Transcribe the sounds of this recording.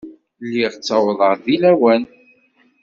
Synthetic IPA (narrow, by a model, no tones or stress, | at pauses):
lːiʁt͡sːɑwðˤəɾðilæwæn